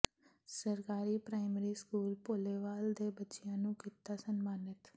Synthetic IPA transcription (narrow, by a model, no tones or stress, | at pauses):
səɾkaːɾiːpɾaːɪmeɾiːskuːlpoːleːʋaːld̪eːbətːʃɪjãːnũːkiːt̪aːsənmaːnɪt̪